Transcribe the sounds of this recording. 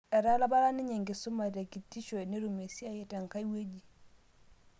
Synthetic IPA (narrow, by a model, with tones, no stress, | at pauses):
ɛ˨ɾa˦la˦ba˦ɾa˦ni˦ɲe˨ŋɡe˨su˦ma˨ɾa˨ki˨tːi˦ʃɔ˨ni˦ɾu˨me˨si˦a˨jɛ˦ta˨ŋka˦jwe˦d͡ʒi˨